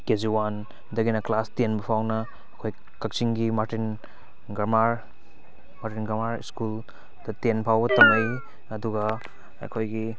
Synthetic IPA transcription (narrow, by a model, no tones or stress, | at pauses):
keziwan | dɐɡinɐklastenbɐpʰawnɐː | kʰoj | kɐk̚t͡ʃiŋɡimaɾtin | ɡɐmaɾ | maɾtinɡamaɾḭskul | dɐtenpʰawbɐtɐmɐj | ɐduɡɐ | ɐ̰kʰojɡi